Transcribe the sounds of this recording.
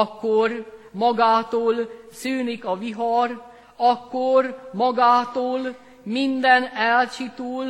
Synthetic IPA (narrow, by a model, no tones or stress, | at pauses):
ɒkːormɒɡaːt̪oːlsyːnikɒʋiɦɒr | ɒkːormɒɡaːt̪oːl | mind̪ɛnɛlt͡ʃit̪oːl